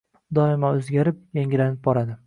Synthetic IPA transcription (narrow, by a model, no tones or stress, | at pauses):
d̪ɒɪmaɵzɡʲaɾɪp̚jaŋʲɪlanɪp̚bɒɾad̪ɪ